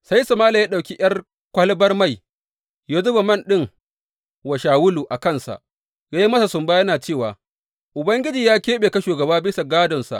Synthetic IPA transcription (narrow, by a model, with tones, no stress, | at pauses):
sa˦jsɐ˨maː˦la˨jaː˦ɗa˨kʲi˦j̰ɐ˦r | kʷɐ˦lbɐ˦rma˦˨j | jaː˦zʊ˦ba˨mɐ˦˨nɗɪ˦ŋ | wa˨ʃaː˨wʊ˦luː˨ʔa˨kɐ˦nsa̰˨ʔ | jaː˦ji˦mɐ˦sa˨sʊ˨mbaː˦jɐ˦naː˨t͡ʃeː˦˨wa̰ː˨ | ʔʊ˨bɐ˦ŋɡʲɪ˦d͡ʒiː˨jaː˦kʲeː˦ɓeː˨ka˦ʃuː˨ɡɐ˨baː˦bɪ˦sa˨ɡaː˦dɔ˨nsa̰˨ʔ